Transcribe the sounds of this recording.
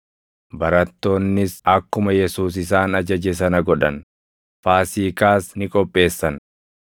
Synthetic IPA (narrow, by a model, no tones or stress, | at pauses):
bɐɾɐt̪ːo̞ːnːɪsɐkːʊmɐjɛsuːs̬ɪs̬aːnɐd͡ʒɐd͡ʒɛs̬ɐnɐɡɔᶑɐn | faːsiːkaːsnɪkʼɔpʼːe̞ːsːɐn